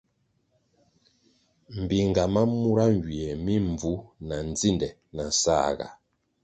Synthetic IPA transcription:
m̩˨bi˨ŋ˨ɡa˨ma˦mu˦ɾa˦ŋ˨ɡɥi˨ɛ˨mi˦ɱ˨b͡vu˦na˨n˦d͡zi˦˨ndɛ˨ | na˨sa̰˦˨ɡa̰˨

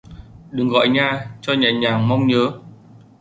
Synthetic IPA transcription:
ɗɨ˨˩ŋɣɔ̰˧˨jɲaː˨˩t͡ɕɔ˧ɲaː˨˩ɲaː˨˩ŋma˧wŋ͡mɲəː˨˦

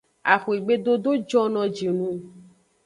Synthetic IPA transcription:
a˨xo˨e˨ɡ͡be˦d̪o˦do˦d͡ʒɔ˦nɔ̃˨d͡ʒi˨nũ˦

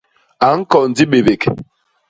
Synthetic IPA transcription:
a˨ŋ̩˦kɔ˨n̩˨di˦ɓe˨be˨k

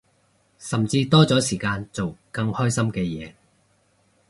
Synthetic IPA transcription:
sɐ˨mt͡siː˧t̪ɔː˥t͡sɔː˨˥siː˨˩kaː˧nt͡so˨wkɐ˧ŋhɔː˥jsɐ˥mkɛː˧jɛ̰ː˨˧˦

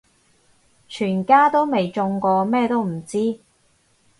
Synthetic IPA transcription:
t͡ʃʰyː˨˩nkaː˥t̪o˥wme˨jt͡sʊ˧ŋkɔː˧mɛː˥˧t̪o˥wm̩˨˩t͡siː˥

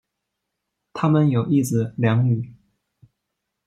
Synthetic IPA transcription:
t̪ʰa˥mə˨njo˨˩ʊi˥˩sɹ̩˨˩ljɑ˧˥ŋy˨˩˦

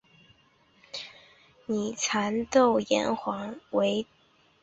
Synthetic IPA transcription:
ni˨˩t͡sʰa˧˥nt̪o˥˩ʊjɛ̰˧˥nxwɑ˧˥ŋwe˧˥ɪ

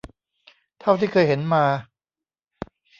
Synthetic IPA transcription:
t̪ʰa˥˩wt̪ʰiː˥˩kʰɤː˧jɦe˩˦nmaː˧

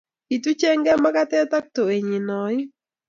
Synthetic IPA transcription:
ki˨tu˦t͡ʃe˦ŋɡɛ˦ma˦ka˦tɛ˦ta˦k̚to˨e˨ɲi˨nɔ˨ɪ˦

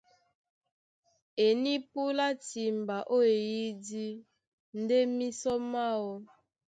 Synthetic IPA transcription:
e˨ni˦pu˦la˦ti˨m˨ba˨ʔo˦e˨ji˦di˦ | n̩˦de˦mi˦sɔ˦ma˦wɔ˦

